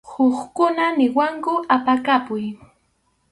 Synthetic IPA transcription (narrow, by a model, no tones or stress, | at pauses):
hoχkʊnanɪwaŋkʊʔapakapʊj